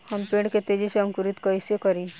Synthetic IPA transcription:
hɐmpẽːɳɖket̪eːd͡ʒiseɐŋkʊɾɪt̪koɪsjokɐɾĩ

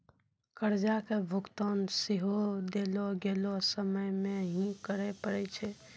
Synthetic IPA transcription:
kəɾd͡ʒakebʱukt̪ɔnseɦod̪eloɡelosəməjmeɦĩkəɾɛpəɽɛt͡ʃʰɛ

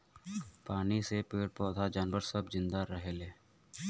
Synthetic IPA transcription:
paːnisepeːɽpɔːd̪ʱad͡ʒaːnʋəɾsəbzɪ̃nd̪aɾəɦeːleː

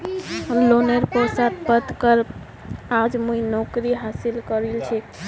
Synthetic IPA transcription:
ɦəmloneɾposat̪̚pəd̪kəɾp | ad͡ʒmuinɔkɾiɦasilkəɾelt͡ʃʰɛ

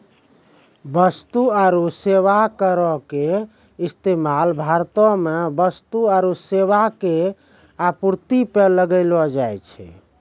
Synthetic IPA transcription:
bəst̪uaɾuseʋakəɾɔke | ist̪emalbʱaɾt̪ɔ̃mebəst̪uaɾuseʋake | apuɾt̪ipeləɡəɪlɔd͡ʒajt͡ʃʰɛ̰

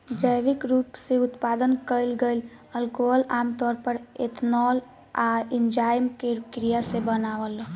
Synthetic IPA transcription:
d͡ʒəjʋikɾupseut̪pad̪ənkəjlɡejl | əlkoɦəlamt̪ɔɾpəɾḛt̪ʰnɔl | aind͡ʒajmkekɾijasẽbənaʋəl

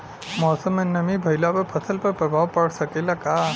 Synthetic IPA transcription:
mɔːsəmənəmibʱəjlapəpʰət̪ʰəlpəɾpɾəbʱaʋpəɽsəkelaka

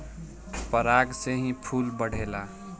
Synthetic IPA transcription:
pəɾaːɡseɦĩpʰuːlbəɽ̤eːla

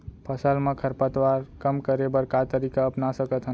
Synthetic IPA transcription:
pʰəsəlmekʰəɾpət̪waɾkəmkəɾebəɾkat̪əɾikaəpnasəkət̪ɦə

